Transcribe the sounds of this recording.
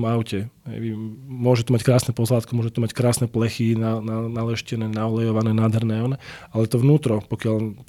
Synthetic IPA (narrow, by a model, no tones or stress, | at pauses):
maʊcɛɦɛ̰jimʊɔʒɛt̪ɔmackɾaːsnɛpɔzlaːt̪kimʊɔʒɛt̪umackɾaːsnɛplɛxinananalɛʃcɛnɛːnaɔlɛjɔʋanɛːnaːd̪ɦɛɾnɛɔnɛalɛt̪ɔʋnuːt̪ɾɔpɔkɪal